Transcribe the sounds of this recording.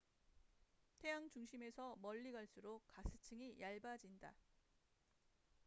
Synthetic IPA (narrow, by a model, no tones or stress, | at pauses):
tʰe̞jaŋt͡ɕuŋɕʰime̞sʰʌmʌʎːiɡaɭs͈uɾokasʰɯ̥t͡ɕʰɯŋijaɭbad͡ʑinda̰